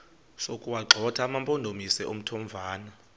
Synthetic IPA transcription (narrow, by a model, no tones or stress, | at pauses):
sokʼuwaǁʱɔtʰaːmampʼondʱomisɛʔom̩tʰɔmvʱaːna